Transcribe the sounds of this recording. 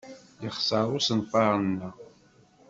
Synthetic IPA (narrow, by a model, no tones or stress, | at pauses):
jəχsəɾˤʊsənfɑɾˤənːæ